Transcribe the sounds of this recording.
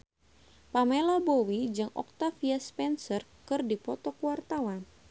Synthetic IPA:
pamelabowid͡ʒɨŋɔ̰k̚t̪afiaspɛnsərkɨrdipɔt̪ɔkwart̪awan

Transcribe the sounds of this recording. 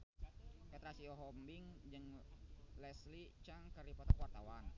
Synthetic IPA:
kɛt̪ɾasiɔɦɔmbiŋd͡ʒɨŋ | lɛslit͡ʃaŋkəripɔt̪akuwart̪awan

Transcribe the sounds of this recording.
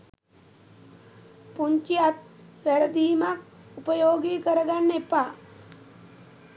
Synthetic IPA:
puɲt͡ʃijat̪̚ʋæɾəd̪iːmak̚upəjoːɡiːkəɾəɡanːepaː

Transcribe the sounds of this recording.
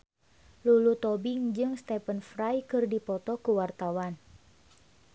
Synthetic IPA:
lulut̪ɔbɪŋd͡ʒɨŋst̪ɛpənfrajkɨrdipɔt̪ɔkuwart̪awan

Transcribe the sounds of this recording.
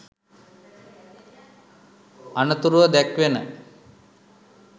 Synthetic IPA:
ɐnɐt̪uɾuʋɐd̪ɛkʋenə

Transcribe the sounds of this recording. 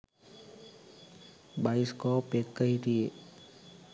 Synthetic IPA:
baːiskɔpekːəɦit̪ie

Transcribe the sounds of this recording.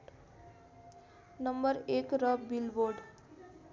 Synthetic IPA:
nəmbəɾekɾəbbilboɾɖ

